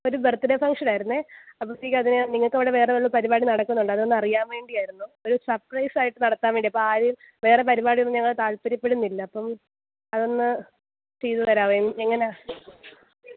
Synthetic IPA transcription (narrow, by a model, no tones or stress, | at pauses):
o̞ɾubert̪ːiɾefɐŋʂɐnaːjiɾunːueɐpːoikʲːɐðineniŋːɐɭkːɐʋiɽeʋe̞ːreʋeɭːupɐɾibaːɽinɐɽɐkːunːuɳɖɐðɨonːɐrijaːmʋe̞ːɳɖijaːjiɾunːuo̞ɾusɐprɐjsaːjiʈːɨnɐɽɐt̪ːaːmʋeɳɖiɐpːoaːɾim | ʋe̞ːrepɐɾibaːɽionːɲɐŋːɐɭt̪aːɭpɐɾipːeɽunːilːɐːpːɐm | ɐðo̞nːɨ | t͡ɕe̞jðutɐɾaːʋejmeŋːɐneaː